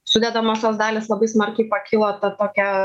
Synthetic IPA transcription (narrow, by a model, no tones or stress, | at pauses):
sʊd̪ʲɛd̪ɐmoːst̪oːsd̪ɑːlʲeːslˠɐbɐɪsmɐrʲkʲɛɪpɐkʲʰɪlˠoːt̪ɐt̪oːkʲɛ